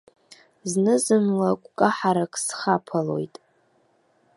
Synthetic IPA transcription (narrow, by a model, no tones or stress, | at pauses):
znɨzɨmlakʷʼkʼaħaɾakʰʼsχapʰalo̞̰jtʼ